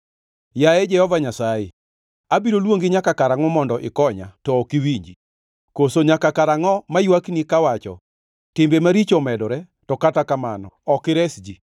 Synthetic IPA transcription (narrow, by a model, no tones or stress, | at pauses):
jajɛd͡ʒɛhɔvaɲasajɪ | abiɾolwoŋɡɪɲakakaɾaŋɔmɔndɔʔɪkɔɲa̰tɔːkiwiɲd͡ʒi | kosoɲakakaɾaŋɔmajwaknikawat͡ʃɔ̰ | tɪmbemaɾit͡ʃomɛdɔɾɛ | tɔkatakamanɔ̰ɔkɪɾɛsd͡ʒi